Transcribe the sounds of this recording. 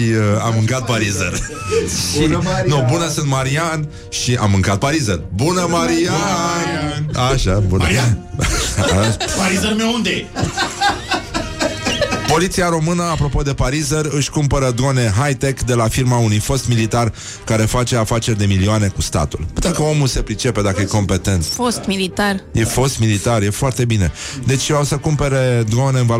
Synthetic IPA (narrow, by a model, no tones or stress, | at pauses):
iamːɨŋkat̪̚paɾizər | ʃinubunəsɨnt̪maɾian | ʃiʔa̰mːɨŋkat̪̚paɾizərbunəmaɾia | aʃabuna | paɾizərmewund̪e | po̞lit̪siaɾo̞mɨnəapɾo̞po̞d̪e̞paɾizərɨʃʲkumpəɾəd̪one̞ɦajt̪ekd̪e̞lafirmaunujfo̞st̪milit̪ar | kaɾe̞fat͡ʃe̞afat͡ʃe̞rʲd̪e̞milioane̞kust̪a̰t̪ulut̪ekəo̞muse̞pɾit͡ʃe̞pe̞d̪akəjeko̞mpe̞t̪e̞nt̪sfost̪milit̪arjefo̞st̪milit̪arje̞foart̪e̞bine̞̰d̪e̞t͡ʃʲawsəkumpe̞ɾe̞d̪one̞ɨnva